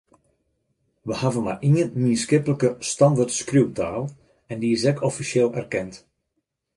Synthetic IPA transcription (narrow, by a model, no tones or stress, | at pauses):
ʋəhavənma̰rʔiənminskɪpələkəstɑndərtskruwtaːlˠ | ɛndiɪsɛkʰɔfiseːlˠɛ̰rkɛnt